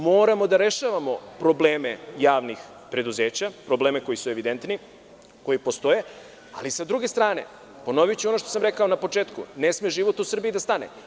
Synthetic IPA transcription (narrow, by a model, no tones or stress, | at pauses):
moːɾamo̞d̪aɾe̞ʃaʋamo̞pɾo̞bleːmejaːʋnix | pɾe̞d̪uzeːt͡ɕapɾo̞bleːme̞ko̞jisue̞ʋid̪e̞nt̪ni | ko̞jipo̞st̪o̞je̞ | a̰lisad̪ɾuɡe̞st̪ɾaːne̞̰ | po̞no̞ʋijt͡ɕeono̞ʃt̪osamɾekao̞napo̞t͡ʃeːt̪kunesmeʒiʋo̞t̪usr̩biid̪ast̪anḛ